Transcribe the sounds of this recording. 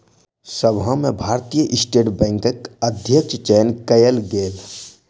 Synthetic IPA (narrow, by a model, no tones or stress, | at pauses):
səbɦə̃mẽbʱaːɾt̪ijəʔɪsʈeːʈbɛ̃ːŋkəkəd̪ʱjəkt͡ʃt͡ʃenkəjəlɡeːl